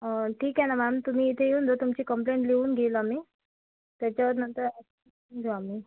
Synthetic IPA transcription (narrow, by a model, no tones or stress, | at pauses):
əʈʰiːkɛnamamt̪um̤iːt̪ʰejeuːnd̪ot̪umt͡ɕiːkəmpleɳʈleuːnɡʱelamiː | t̪jat͡ɕjaʋəɾnənt̪əɾ | nd͡zʱoami